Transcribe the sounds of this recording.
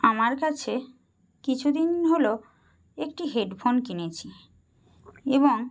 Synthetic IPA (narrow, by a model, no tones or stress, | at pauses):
amaɾkat͡ɕʰe | kit͡ɕʰud̪inɦolo | ekʈiɦeɖfʰonkinet͡ɕʰi | eboŋ